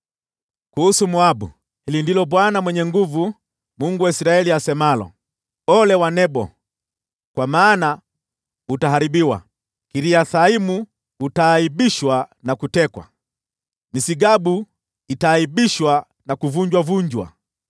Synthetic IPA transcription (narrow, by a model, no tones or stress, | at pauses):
kuhusumuabṵ | hilindilɔbwanamwɛɲɛŋɡuvu | muŋɡuwaisɾaɛliasɛmalɔ̰ | ɔlɛwanɛbɔ | kwamaːna | utaɦaɾibiwa̰ | kiɾiaθaimuː | taːibiʃwanakutɛkwa̰ | nisiɡabu | itaːibiʃwa | nakuvuɲd͡ʒwavuɲd͡ʒwa̰